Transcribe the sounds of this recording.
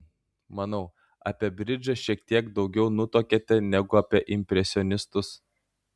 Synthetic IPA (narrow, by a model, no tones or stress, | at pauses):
mɐnɐʊ | ɐ̰pʲiɛbʲɾʲɪd͡ʒɐʃʲiɛkt̪ʲiɛɡd̪ɒʊɡʲɛʊnʊt̪oːkʲɛt̪ʲɛnʲɛɡʊɐpʲiɛʔɪmʲpʲɾʲɛsʲɪɔnʲɪst̪ʊs